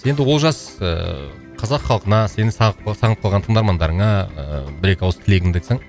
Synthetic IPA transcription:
je̞nd̪ɪwo̞lˠʒɑsə̰ | qʰɑzɑqχɑlˠqənɑse̞nɪsɑɴət̪̚qʰlˠʁɑnt̪ʰəɴd̪ɑɾmɑnd̪ɑɾəɴɑə̰bɪɾe̞kʲawˠsə̥t̪ʰɪle̞ɡʲɪŋd̪eksɪɴ

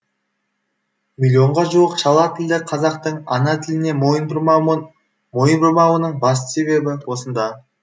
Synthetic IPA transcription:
mʲilʲjo̞ɴʁɑʒuwəqʃɑlˠɑt̪ʰɪld̪ɪqʰɑzɑqt̪əɴɑ̰nɑt̪ʰɪlɪne̞ | mojənbʊɾmɑwənəɴbɑst̪ə̥se̞βe̞bɪwo̞sənd̪ɑ

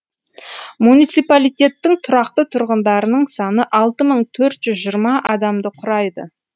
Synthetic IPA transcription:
munijt̪sijpalijt̪e̞t̪ːɪŋt̪ʰʊɾɑqt̪ət̪ʰʊɾʁənd̪ɑɾənəɴsɑnəʔɑlˠt̪əməɴt̪ʰɵɾt̪ʒ̥ʏzʒijəɾmɑʔɑd̪ɑmd̪əqʰʊɾɑjd̪ə̰

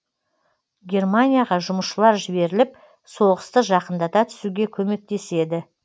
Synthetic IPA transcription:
ɡʲe̞rmanʲijaʁɑʒʊməsʃəlˠɑɾʒɪbe̞ɾɪlɪp̚ | so̞ʁəst̪əʒɑqənd̪ɑt̪ɑt̪ʰʏ̥suɡʲe̞kʲʰɵme̞k̚t̪e̞se̞d̪ɪ

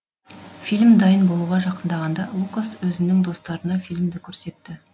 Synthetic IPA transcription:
filʲmd̪ɑjənbo̞lˠuʁɑʒɑqənd̪ɑʁɑnd̪ɑlˠukaswɵzɪnɪŋd̪o̞st̪ɑɾənɑfilʲmd̪ɪkʲʰɵɾse̞t̪ːɪ

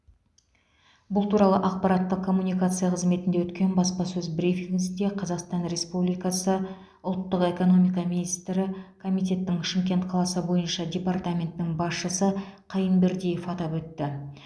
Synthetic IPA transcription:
bʊlˠt̪ʰuɾɑlˠəʔɑq̚pɑɾɑt̪ːəq̚kʰːo̞mːunijkat̪sɨjaqʰəzme̞t̪ɪnd̪ewɵt̪kʲe̞nbɑspɑsɵzbɾifʲiŋɡsɪnd̪eqʰɑzɑqst̪ɑnɾe̞spublijkɑsə | ʊlˠt̪ːəqe̞ko̞no̞mijkɑminist̪ɾɪkʰo̞mijt̪ʲe̞t̪ːɪŋʃɪŋkʲe̞nt̪qʰɑlˠɑsəbo̞jənʃɑd̪ʲe̞part̪amʲe̞nt̪ːɪŋbɑsʃəsəqʰijənbeɾd̪ʲejefɑt̪ɑpwɵt̪ːɪ

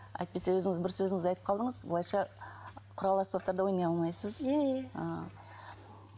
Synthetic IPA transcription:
ɑ̰jt̪̚pe̞sewɵzɪŋɪzbɪɾsːɵzɪŋɪeɑjt̪əp̚qʰɑlˠd̪əɴəzbʊlˠɑjʃɑ | qʰʊɾɑlˠəaspɑp̚t̪ɑɾd̪əwo̞jnɑjɑlˠmɑjsəzeə

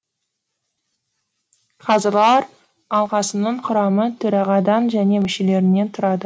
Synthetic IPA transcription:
qʰɑzəɾlˠɑɾ | ɑlˠqɑsənəɴqʰʊɾɑmət̪ʰɵɾɑʁɑd̪ɑnʒæne̞mɪʃele̞ɾɪne̞nt̪ʰʊɾɑd̪ə

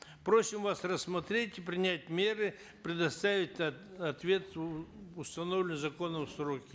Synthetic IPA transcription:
pɾo̞sʲɪmvasrəsːmɐt̪ɾʲetʲɪpɾʲɪnʲætʲmʲe̞ɾɨ | pɾʲɪd̪ɐst̪avʲɪtʲɐt̪vʲe̞t̪ʊst̪ɐno̞vlʲɪnzɐko̞nəmsɾo̞kʲɪ

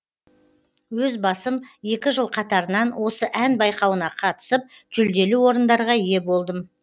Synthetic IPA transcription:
wɵzbɑsəmje̞kʲɪʒəlˠqʰɑt̪ɑɾənɑnwo̞səʔænbɑjqɑwənɑqʰɑt̪ə̥səp̚ | ʒ̥ʏld̪e̞luwo̞ɾənd̪ɑɾʁɑije̞bo̞lˠd̪əm

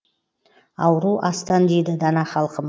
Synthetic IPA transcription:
ɑwɾuʔɑst̪ɑnd̪ejd̪ɪd̪ɑnɑχɑlˠqəm

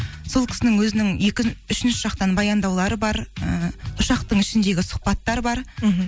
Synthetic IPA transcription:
so̞lˠkʲʰɪ̥sɪnɪŋwɵzɪnɪŋje̞kʲɪʏʃɪnʃɪʒ̥ɑqt̪ɑnbɑjɑnd̪ɑwlˠɑɾəbɑɾəʊʃɑqt̪əɴɪʃɪnd̪e̞ɡʲɪsʊ̥qpɑt̪ːɑɾbɑɾ

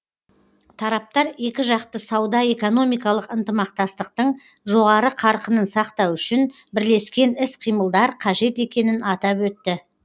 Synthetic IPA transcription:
t̪ʰɑɾɑp̚t̪ɑɾe̞kʲɪʒɑqt̪əsɑwd̪ɑe̞ko̞no̞mijkɑlˠəqənt̪əmɑq̚t̪ɑst̪əqt̪əɴ | ʒo̞ʁɑɾəqʰɑɾqənənsɑqt̪ɑwʏʃɪn | bɪɾle̞skʲe̞nɪsqʰijməlˠd̪ɑɾqʰɑʒe̞t̪e̞kʲe̞nɪnɑt̪ɑpwɵt̪ːɪ

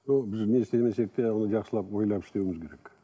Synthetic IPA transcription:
nobɪznest̪emesek̚t̪ːeonəʒɑqsəlˠɑpwo̞jlˠɑpɪ̥ʃt̪e̞wɪmɪzkʲʰe̞ɾe̞k

